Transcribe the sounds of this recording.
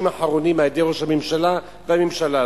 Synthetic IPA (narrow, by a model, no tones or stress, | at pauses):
maħaʁo̞nimaed̪eʁoʃhamemʃala | vehamimʃala